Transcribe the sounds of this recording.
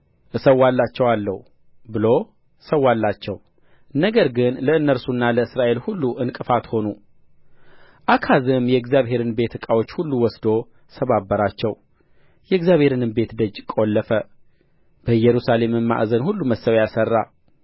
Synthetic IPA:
ʔɨsəwalːat͡ʃːɛwalːə̰hu | bɨlo | səwːalːat͡ʃːɛw | nːəɡəɾɡɨnləɨnːəɾsunːaləɨsɾaʔe̞lhulːuʔɨnkʼɨfat̪ho̞nu | ʔakʰazɨmjɛɡzjaβɦe̞ɾɨnbe̞t̪ʰɨkʼawot͡ʃːhulːuwɔsd̪o̞ | səβabːəɾat͡ʃːɛw | jɛɡzjaβhe̞ɾɨnɨmbe̞t̪d̪əd͡ʒkʼo̞lːəfə | b̥əjɛɾusale̞mɨmmːa̰ʔzənhulːuməsəwjasərːa̰

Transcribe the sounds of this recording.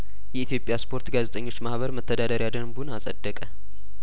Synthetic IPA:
jɛit̪ijo̞pʼjaspʰo̞ɾt̪ɡazet̪ʼəɲːo̞t͡ʃːmahβəɾmət̪ʰːəd̪ad̪əɾjad̪əmbunasʼəd̪ːəkʼə

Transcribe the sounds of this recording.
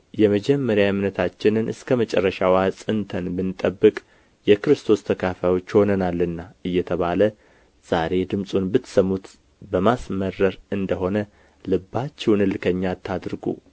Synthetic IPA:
jɛməd͡ʒɛmːəɾjamnət̪ʰat͡ʃːɪnɨnɨskʰəmət͡ʃʼɛ̰rːəʃawasʼɨnt̪ʰənbɨnɨt̪ʼəbːɨkʼ | jɛkɨɾɨst̪ʰo̞st̪ʰəkʰafajo̞t͡ʃːho̞nənalːɨnːaɨjːɛt̪ʰəβalə | z̥aɾe̞d̪ɨmsʼunbɨt̪səmːut̪ | bəmasmərəɾɨnd̪əɦo̞nə | lɨbːat͡ʃːɛwnɨlɨkʰəɲːat̪ʰːad̪ɾɨɡṵ

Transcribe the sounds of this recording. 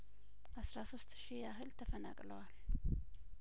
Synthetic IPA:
ʔasɾasost̪ʼʃijaɦɨlt̪ʰəfənakʼləwal

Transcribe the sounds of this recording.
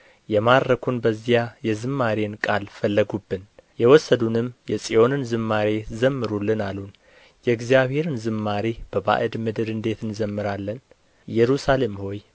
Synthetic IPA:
jɛmaɾɾəkʰunbəzijajɛzɨmːaɾenkʼalfəlːəɡubːɨnjɛwɔsːəd̪unɨmːjɛsʼiʔo̞nɨnzɨmːaɾezəmːɨɾulːɨnalun | jɛɨɡzijaβhe̞ɾɨnzɨmːaɾib̥əba̰ʔɨd̪mɨd̪ɨɾɨnd̪e̞t̪ʰɨnzəmːɨɾalːən | jɛɾusale̞mho̞j

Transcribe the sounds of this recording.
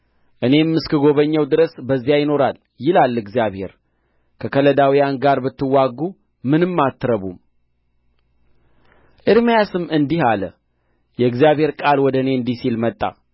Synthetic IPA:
ʔɨne̞mːɨskʰɨɡo̞βəɲːəwd̪ɨɾəsbəzːijajɪno̞ɾal | jɪlalːɨɡzijaβhe̞̰ɾ | kʰəkʰələd̪awijanɡaɾbɨt̪ːɨwaɡːu | mɨnɨmːat̪ːɾəβum | ʔɨɾmijasɨmːɨnd̪ihalə | jɛɨɡzijaβhe̞ɾkʼalwɔd̪əɨne̞ɨnd̪isilmət̪ʼːa̰

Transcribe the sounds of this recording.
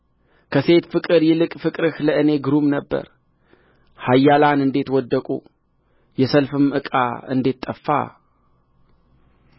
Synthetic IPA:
kʰəse̞t̪fɨkʼɨɾjɛlɨkʼfɨkʼɾɨhləʔɨne̞ɡɨɾumnəbːə̰ɾ | hajːalanɨnd̪e̞t̪wɔd̪ːəkʼṵ | jɛsəlfɨmɨkʼa̰ɨ̰nd̪e̞t̪ʼːəfːa̰

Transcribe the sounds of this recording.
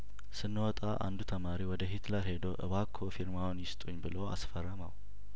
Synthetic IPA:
sɨnːwɔt̪ʼaʔa̰nd̪ut̪ʰəmaɾiwɔd̪əɦit̪ʰləɾhe̞d̪oʔɨ̰βakʰːofiɾmawnjɪst̪ʼuɲːbɨloa̰sfərːəmaw

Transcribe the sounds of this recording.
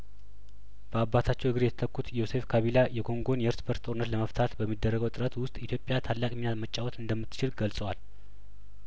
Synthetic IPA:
b̥əabːat̪ʰat͡ʃːɛwɨɡɨɾjɛt̪ʰə̥t̪ʰəkːut̪jose̞fkʰaβilajɛkʰo̞ŋɡo̞njɛɾsbəɾt̪t̪ʼo̞ɾɨnːət̪ləməft̪ʰat̪bəmːid̪ːərːəɡəwt̪ʼɨɾət̪wʊst̪ʼit̪ʰjo̞pʼjat̪ʰalːakʼminat̪mət͡ʃʼːawot̪ɨnd̪əmːɨt̪ʰːɨ̥t͡ʃɪlɡəlsʼəwal

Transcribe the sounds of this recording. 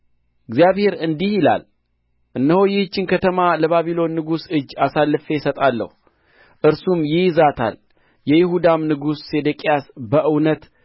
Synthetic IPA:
ɨɡzijaβhe̞ɾɨnd̪ihjɪla̰l | ʔɨnːəhojɪhɨt͡ʃːɪnkʰət̪ʰəmaləβaβilo̞nːɨɡusɨd͡ʒːasalːɨfesət̪ʼalːə̰hu | ʔɨɾsumjɪzat̪ʰa̰l | jɛjɪɦud̪amnɨɡusːe̞d̪əkʼijasbəʔɨwnət̪

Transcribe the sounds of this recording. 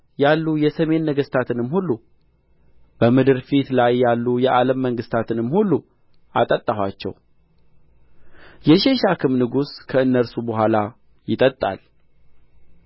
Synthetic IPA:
jalːujɛsəme̞nːəɡəst̪ʰat̪ʰɨnɨmhulːu | b̥əmɨd̪ɨɾfit̪lajːalːujɛʔaləmːəŋɡɨst̪ʰat̪ʰɨnɨmːhulːu | ʔa̰t̪ʼət̪ʼːahwa̰t͡ʃːɛ̰w | jɛʃe̞ʃakʰɨmnɨɡuskʰəɨnːəɾsubəɦʷala | jɪt̪ʼət̪ʼːa̰l

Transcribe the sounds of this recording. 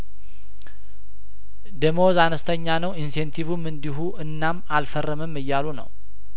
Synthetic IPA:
d̪əmozanəst̪ʰəɲːanəwinsent̪ʰivumːɨnd̪iɦuʔɨnːamalfərːəməmːɨjːalunə̰w

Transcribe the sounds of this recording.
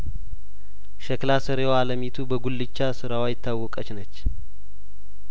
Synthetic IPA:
ʃəklasəɾewaləmit̪ʰubəɡulːɨt͡ʃːasɨɾawajɪt̪ʰːawːɔkʼət͡ʃnət͡ʃː

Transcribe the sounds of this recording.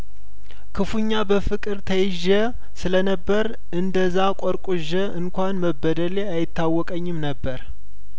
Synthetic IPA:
kʰɨfuɲːabəfɨkʼɨɾt̪ʰəjɪʒːə | sɨlənəbːəɾ | ɨnd̪əzːakʷʼɔɾkʷʼuʒəɨŋkʷanməbːəd̪əleajɪt̪ʰːawːɔkʼəɲːɪmnəbːəɾ

